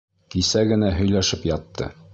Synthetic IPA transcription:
kisæɡɘ̆næɦɵ̆jlæʃɘpjɒt̪ːɤ̰

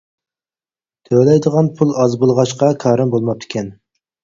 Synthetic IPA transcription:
t̪ʰølɛjd̪əʁɑnpʰulˠɑzbulˠʁɑʃqɑkʰɑːɾɨmbolˠmɑp̚t̪ʰɪ̥kʲʰɛn

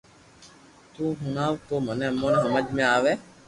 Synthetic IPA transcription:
t̪ũːɦʊnaːʋkoːmənẽːəmːoːnẽɦəməd͡ʒmẽaːʋeː

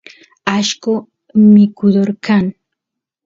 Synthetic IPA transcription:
aʃkʊ | mɪkʊd̪oɾkaŋ

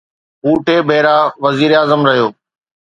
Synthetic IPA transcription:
uːʈeːbʱeːɾaːʋɐziːɾaːzəmɾɐɦijoː

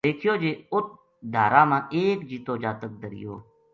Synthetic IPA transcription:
eːkʰɪjoːd͡ʒeːʊt̪̚ | d̪ʱaːɾãːmãːʔeːkd͡ʒiːt̪oːd͡ʒaːt̪ək̚d̪əɾɪ̰jo̰ː

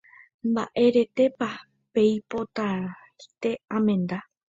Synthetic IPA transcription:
mbaʔe̞ɾe̞t̪e̞pa | pe̞jpo̞t̪a | it̪e̞ãmẽ̞nd̪a

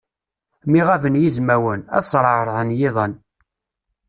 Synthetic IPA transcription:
miʁævənjizmæwənæ̰ðsˤɾˤəɾˤðˤənjɪðˤən

